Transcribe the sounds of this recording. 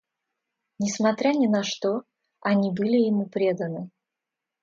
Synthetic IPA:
nʲɪsmɐt̪ɾʲanʲɪnɐʂt̪o | ɐnʲibɨlʲɪjɪmupɾʲe̞d̪ənɨ

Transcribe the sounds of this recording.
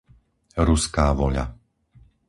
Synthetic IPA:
ɾuskaːʋɔʎa̰

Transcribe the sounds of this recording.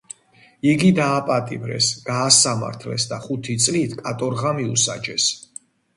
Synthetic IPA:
iɡid̪aːpʼat̪ʼḭvɾɛ̰sɡ̥aːsama̰ɾt̪ʰlɛ̰sd̪aχut̪ʰit̪sʼlit̪ʰkʼat̪ʼɔɾʁamiṵsa̰d͡ʒɛs

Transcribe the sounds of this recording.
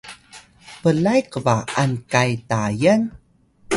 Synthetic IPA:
pəlajkəvaankajtajan

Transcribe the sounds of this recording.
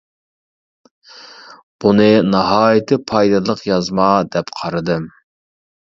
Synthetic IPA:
b̥unɨnɑɦɑːjɪt̪ʰɨpʰɑjd̪ɨlˠəqjɑzmɑd̪ɛpqʰɑɾɨd̪ɨm

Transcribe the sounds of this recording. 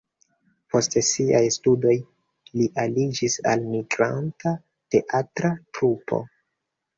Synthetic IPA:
po̞stesiajstudo̞j | liʔalid͡ʒisa̰lmiɡɾa̰nta | te̞ʔatɾatɾupʰo̰

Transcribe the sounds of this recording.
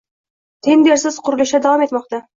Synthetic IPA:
t̪ʰend̪eɾsɪz̥qʰʊɾɨlˠʊʃɛd̪ɑwɑmet̪mɑqt̪ɑ

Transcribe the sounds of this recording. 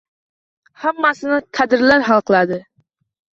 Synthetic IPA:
hamːasɪnɪqʰad̪ɪɾlaɾhɑlˠqʰɨlˠad̪ɪ

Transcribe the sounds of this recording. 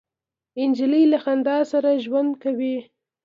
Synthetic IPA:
ɪnd͡ʒɪlilaxand̪ɑsaɾaʒwand̪kawi

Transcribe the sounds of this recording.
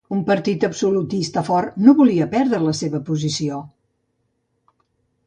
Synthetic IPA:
umpəɾt̪it̪əbsulut̪ist̪əfɔrnoβuliəpɛɾðɾələseβəpuzisio

